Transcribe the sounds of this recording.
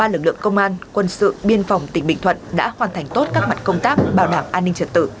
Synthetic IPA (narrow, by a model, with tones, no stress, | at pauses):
ɓaː˧lɨ˨˩k̚lɨ̰˧˨əŋkə˧wŋ͡mʔaː˧nkwə˧nsɨ̰˧˨ɓi˧ənfɔ˨˩wŋ͡mt̪ï˨˩ŋ̟ɓḭ̈˧˨ŋt̪ʰə̰˧˨nɗa̰ː˧˥hwaː˨˩nt̪ʰjŋ̟t̪o˦˥t̚kaː˦˥k̚ma˨˩t̚kə˧wŋ͡mt̪aː˦˥p̚ɓaː˨˩wɗaː˧˩mʔaː˧nːï˧ŋ̟t͡ɕə˨˩t̚t̪ɨ̰˧˨